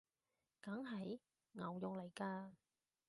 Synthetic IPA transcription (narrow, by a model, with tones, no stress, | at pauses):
kɐ˨˥ŋɦɐ˨˥j | ŋɐ˨˩wjʊ˨ŋlɐ˨˩jkaː˧